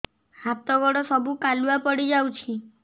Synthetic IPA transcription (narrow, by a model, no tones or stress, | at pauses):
hat̪ɔɡɔɽɔsɔbukaluapɔɽid͡ʒawt͡ʃʰi